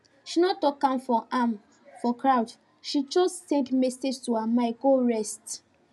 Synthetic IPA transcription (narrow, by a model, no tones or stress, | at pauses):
ʃinɔtɔkãmfɔʔam | fɔkɹawd | ʃit͡ʃostɛ̃kmɛsed͡ʒtuamaɪɡoɹɛst